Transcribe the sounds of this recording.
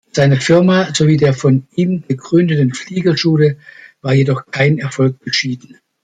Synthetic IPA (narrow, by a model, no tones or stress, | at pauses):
z̥aɪnəfɪɐmazoviːdeːɐfɔnʔiːmɡəɡʁʏndətn̩fliːɡɐʃuːləvaːɐjedɔχkʰaɪnɛɐfɔlk̚b̥əʃiːdn̩